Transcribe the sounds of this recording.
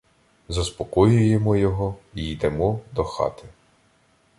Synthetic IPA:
zɐspɔkɔjʊjemɔjɔɦɔijd̪ɛmɔd̪ɔxɑ̰t̪ɪ

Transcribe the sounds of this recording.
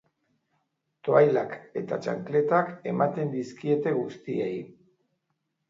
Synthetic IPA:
t̪o̞ajlake̞̰t̪a̰t͡ʃa̰ŋkle̞t̪ake̞mat̪e̞nd̪iskie̞t̪e̞ɣust̪iej

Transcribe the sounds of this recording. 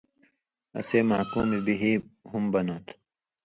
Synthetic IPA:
ɐ̰seːmaːkuːmibiɦiːɦumbɐnoːt̪

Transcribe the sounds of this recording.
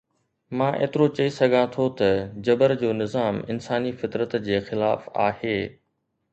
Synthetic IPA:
mãːʔḛːt̪ɪɾot͡ɕɐisɐɡʱãt̪ʰot̪ɐd͡ʑɐbəɾd͡ʑoːnɪzaːmɪnsaːnifɪt̪ɾət̪d͡ʑeːxɪla̰ːfa̰ːheː

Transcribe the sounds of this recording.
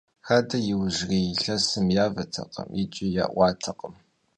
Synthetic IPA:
xɐdɐjɪwʒrejɬɐsɨmjaːvɐtʰɐ̰qɐ̰mit͡ʃʼɪja̰ːʔʷɑːtʰɐqəm

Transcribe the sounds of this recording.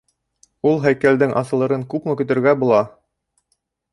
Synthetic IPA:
ulˠɦæjkæld̪ɘŋʔɑ̰sɤ̆lˠɤ̆ɾɤŋkʉpmɤkɵ̆t̪ɘ̆ɾɡæbulˠɑ

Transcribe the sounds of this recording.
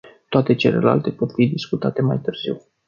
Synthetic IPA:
t̪oat̪e̞t͡ʃe̞le̞̰la̰lt̪e̞po̞t̪fid̪iskut̪at̪e̞majt̪ɨrz̥iw

